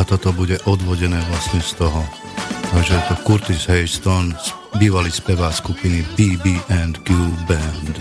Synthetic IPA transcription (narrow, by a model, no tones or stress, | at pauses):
at̪ɔt̪ɔbuɟɛʔɔd̪ʋɔɟɛnɛːʋlasɲɛst̪ɔɦɔ | ʒɛɛt̪ɔkuɾt̪isɦɛɪst̪ɔns | biːʋaliːspɛʋaːskupinipiːbiːʔɛnd̪ɡubɛnd̪